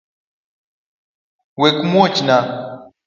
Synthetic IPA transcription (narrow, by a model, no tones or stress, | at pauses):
wekumot͡ʃina